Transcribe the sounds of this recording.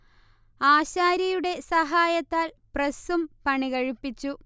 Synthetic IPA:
aːɕaːɾɐjuɽe̞sɐɦaːjɐt̪ːaːl | prɐsumpɐɳiɣɐɻipːit͡ɕːu

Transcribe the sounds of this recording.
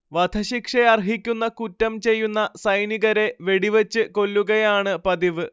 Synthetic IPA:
ʋɐd̪ʱɐɕikʂeɐrɦikʲːunːɐkutːɐmt͡ɕe̞jːunːɐsɐjniɣɐɾe̞ʋe̞ɽiʋet͡ɕːɨko̞lːuɣɐjaːɳɨpɐðiʋɨ

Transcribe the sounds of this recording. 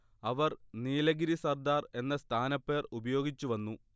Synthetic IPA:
ɐʋɐrniːlɐɡiɾisɐrd̪aːre̞nːɐst̪ʰaːnɐpːe̞ːrubɐjo̞ːɡit͡ɕːuʋɐnːu

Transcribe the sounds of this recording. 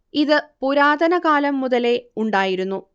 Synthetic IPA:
iðɨpuɾaːd̪ɐnɐɡaːlɐmːuðɐle̞uɳɖaːjiɾunːu

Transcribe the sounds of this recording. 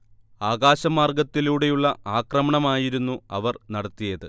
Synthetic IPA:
aːɣaːɕɐmaːrɡɐt̪ːiluːɽe̞juɭːɐaːkrɐmɐɳɐmaːjiɾunːuɐʋɐrnɐɽɐt̪ːijɐðɨ

